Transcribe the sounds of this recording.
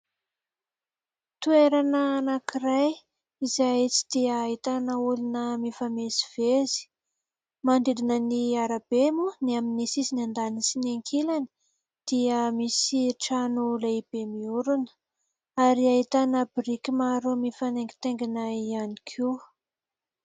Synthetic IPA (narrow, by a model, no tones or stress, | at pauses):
t̪ueɾanəːnakiraj | izait͡si̥d̪̥iəːɦit̪anəulinəmifamezi̥v̥ezi̥ | mand̪id̪inəniaɾabemuniaminisizinand̪anisineŋkʰilani̥ | d̪̥iəmisiʈ͡ʂanulaib̥emiuɾunə̥ | aɾiaɦit̪anəbiɾikimaɾumifaneŋɡi̥t̪eŋɡinaianikʰi